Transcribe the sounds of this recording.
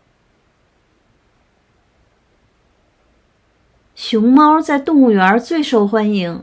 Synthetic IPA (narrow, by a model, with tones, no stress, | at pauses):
ɕjʊ˧˥ŋmɑ˥ʊt͡sa˥˧ɪt̪ʊ˥˧ŋu˥˩ɥɛ˧ə˥t͡swe˥˧ɪʂo˥˩ʊxwa˥ni˧˥ŋ